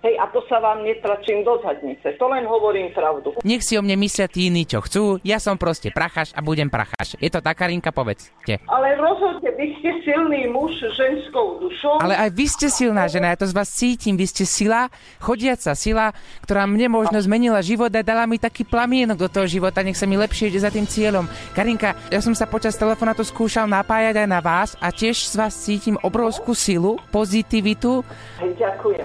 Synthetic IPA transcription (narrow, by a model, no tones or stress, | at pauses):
ɦɛjʔat̪ɔsaʋaːmɲɛt̪ɾat͡ʃiːmd̪ɔzɦad̪ɲit͡sɛt̪ɔlɛnɦɔʋɔɾiːmpɾaʊd̪uɲɛxsiɔmɲɛmislɪat̪iiniːt͡ʃɔ̰xt͡suːjasɔmpɾɔscɛpɾaxaʃabuɟɛmpɾa̰xa̰ːʃjɛt̪ɔt̪akaːɾiŋkapɔʋɛ̰t͡s | cɛ̰ʔalɛɾɔzɦɔd̪ɲɛʋiscɛsilniːmuʒʒɛnskɔʊd̪uʃɔʊʔalɛʔajʋiscɛsilnaːʒɛnajat̪ɔzʋaːst͡siːcimʋiscɛsila | xɔɟɪat͡sasilakt̪ɔɾaːmɲɛmɔʒnɔzmɛɲilaʒiʋɔd̪ad̪alamit̪akiːplamɪɛnɔɡ̚d̪ɔt̪ɔɦɔʒiʋɔt̪aɲɛxsamilɛpʃɪɛiɟɛzat̪iːmt͡sɪɛʎɔm | kaɾiŋkajasɔmsapɔt͡ʃast̪ɛlɛfɔnat̪ɔskuːʃalnapaːjaɟajnaʋaːsacɪɛʃz̥ʋaːst͡siːcimʔɔbɾɔʊskuːsilupɔzit̪iʋit̪u | ɟakujɛ